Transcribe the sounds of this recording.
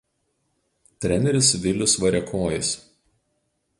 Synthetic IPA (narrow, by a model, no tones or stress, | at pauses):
t̪ʲɾʲɛnʲɛɾʲɪsʋʲɪlʲʊsʋɐɾʲɛkʰoːjɪs